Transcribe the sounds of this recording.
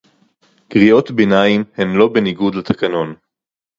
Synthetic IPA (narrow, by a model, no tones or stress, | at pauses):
ɡ̥ʁijo̞t̪benaimhenlo̞be̞niɡudlat̪ʰakɐno̞n